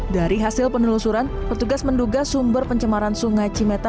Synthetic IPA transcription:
daɾiɦasɪlpənulusuɾan | pərt̪uɡasmənduɡasumbərpəɲt͡ʃəmaɾansuŋajt͡ʃimet̪a

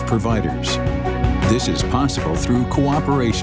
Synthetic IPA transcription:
pʰɹ̥ɨvaɪɾə̰˞z̥ | ðɪsɨz̥pʰɑsəbəl̩ˠθɹʉkʰoʊɑpə˞eɪʃ

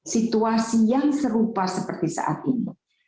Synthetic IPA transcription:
sit̪uasijaŋsəɾupasəpərt̪isa̰ʔa̰t̪̚ini

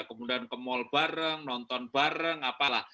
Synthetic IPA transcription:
akəmudaankəmɔlb̥aɾəŋnɔnt̪ɔnb̥aɾəŋapalah

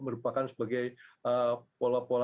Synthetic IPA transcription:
məɾupakansə̥baɡajəpolapola

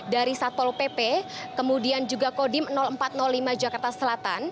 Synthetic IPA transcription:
daɾisat̪ɔlpepɛkəmudiand͡ʒuɡakodɪmənɔləmpat̪̚nɔlːimad͡ʒakart̪asəlat̪a̰n

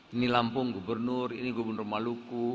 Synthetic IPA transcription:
inilampʊŋɡubərnʊriniɡubərnʊrmaluku

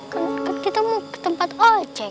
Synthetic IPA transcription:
kənkənkit̪əmukə̥t̪əmpat̪o̥d͡ʒɛ

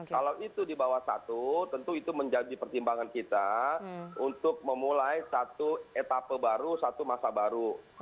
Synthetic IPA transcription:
kkalawit̪udibawahsa̰t̪ut̪ənt̪uit̪uməɲd͡ʒadipərt̪imbaŋankit̪a | unt̪ʊk̚məmulajsat̪uet̪apəbaɾusat̪umasabaɾu

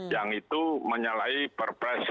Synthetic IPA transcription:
jaŋit̪uməɲalaipərpɾɛs

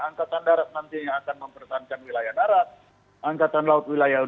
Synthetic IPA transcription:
aŋkat̪andaɾat̪̚nant̪iɲaŋakanməmpərsaɦankanwilajahdaɾat̪̚ | aŋkat̪anlaʊt̪̚wilajau

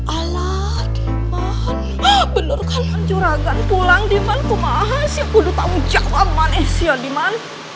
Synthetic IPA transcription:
ʔala | hdi | mma | n | bənərkanmand͡ʒuɾaɡanpulaŋdimankumaɦasiakudut̪aud͡ʒak̚mamanɛhsiadiman

